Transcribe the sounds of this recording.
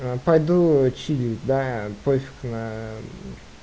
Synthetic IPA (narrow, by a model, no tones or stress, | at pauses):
pajd̪ut͡ʃilʲid̪apojfʲi̥knɐ